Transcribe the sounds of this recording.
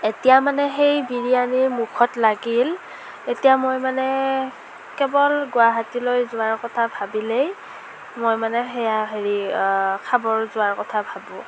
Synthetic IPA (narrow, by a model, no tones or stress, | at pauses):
etijamanɛɦejbiɹianimukʰɔtlaɡil | etijamojmanɛ | kɛbɔlɡʊaɦatilojzʊwaɹkɔtʰabʱabilej | mojmanɛxɛjaɦeɹikʰabɔɹzʊaɹkɔtʰabʱabʊ̃